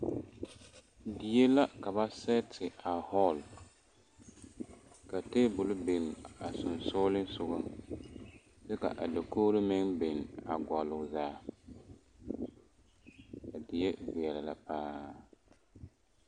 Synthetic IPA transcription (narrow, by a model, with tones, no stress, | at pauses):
di˨je˦la˦ka˨βa˦sɛ˦tʰɪ˨a˨hɔ˦l | ka˨teː˦bʊ˨lʊ˦be˨na˨sʊ˨nsʊː˦lɪ˦n˦sʊ˨ɡʊ˦ | sɛ˦ka̰˨ʔa˨da˨koː˦ɾɪ˦mɪ˦ŋbe˨na˨ɡɔ˨lʊ˨zaː˦ | ka˨dɪ˨je˦vɪ˨ɛ˨la˨la˨paː˦